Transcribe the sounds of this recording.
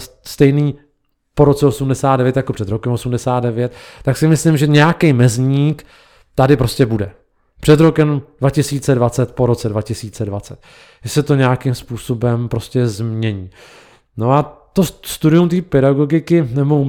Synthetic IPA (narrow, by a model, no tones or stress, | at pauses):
st̪ɛjniː | po̞ɾo̞t͡sɛosumdɛsaːd̪dɛvjɛt̪jakopr̥ɛd̪ɾo̞kɛmosumdɛsaːt̪̚dɛvjɛt̪t̪ːaksɪmɪslɪmʒɛɲɛjakɛjmɛzɲiːk | t̪adɪpɾo̞scɛbudɛ | pr̝̥ɛd̪ɾo̞kɛmd̥vacɪsiːt͡sɛdvat͡sɛt̪po̞ɾo̞t͡sɛdvacɪsiːt͡sɛdvat͡sɛt̪ | ʒɛsɛt̪o̞ɲɛjakɪmspuːso̞bɛmpɾo̞scɛzmɲɛɲiː | no̞at̪ost̪udɪjumt̪̬iːpɛɾaɡo̞ɡɪkɪnɛbo